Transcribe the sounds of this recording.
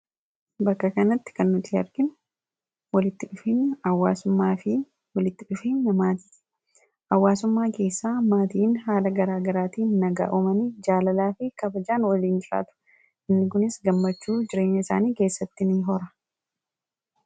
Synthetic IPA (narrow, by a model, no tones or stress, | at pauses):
bɐkːɐkɐnɐt̪ːɪ̥kɐnːʊt̪iɐɾɡɪn | wɐlɪt̪ːɪᶑʊfinɐwːa̰ːsʊmːaːfɪ | wɐlɪt̪ːɪᶑʊfiːɲːɐmaːt̪i̥ː | ʔɐwːaːsʊmːaːke̞ːsːaːmaːt̪iːnɦaːlɐɡɐɾaːɡɐɾaːt̪iːnnɐɡa̰ːʔʊmɐnid͡ʒaːlɐlaːfɪkɐbɐd͡ʒaːnwɐliːnd͡ʒɪɾa̰ːt̪ʊ̥ | ɪnːɪkʊnɪsɡɐmːɐt͡ʃːuːd͡ʒɪɾe̞ːɲːɐɪsa̰ːniːke̞ːsːɐt̪ːɪnɪɦɔɾɐ̥